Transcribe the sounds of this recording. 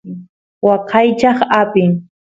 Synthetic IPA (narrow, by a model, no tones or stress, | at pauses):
wɑqʰɑjt͡ʃɑχapɪŋ